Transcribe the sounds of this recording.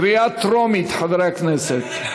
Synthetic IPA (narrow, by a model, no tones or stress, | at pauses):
ɾiat̪ʰɾɔmit̪ʰħəd̪ɾɛkʰnɛsɛt̪ʰ